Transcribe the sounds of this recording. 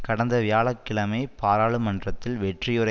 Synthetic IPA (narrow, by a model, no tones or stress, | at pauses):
kɐɽɐnd̪ɐʋɪjaːɭɐkːɪɭɐmɐɪpaːɾaːɭɯmɐndrɐt̪ːɪlʋɛʈrɪjɯɾɐ